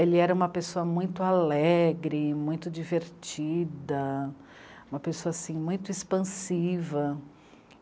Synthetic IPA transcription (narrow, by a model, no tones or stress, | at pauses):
elɪɛɾɐũmɐpesoɐmũj̃t̪ʊalɛɡɾɪmũj̃t̪ʊd͡ʒiveɾt͡ʃid̪ɐ | ũmɐpesoɐasĩmũj̃t̪ʊispɐ̃sivɐ